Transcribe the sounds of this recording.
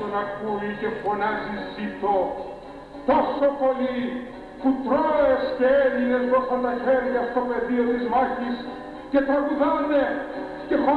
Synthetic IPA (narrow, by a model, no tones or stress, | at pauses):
onɐkuicefonɐzisit̪o | t̪osopoli | put̪ɾoesceeliet̪osɐt̪ɐçeɾʝɐst̪opeðiot̪izmɐçis | cet̪ɐɣuðɐne | cepo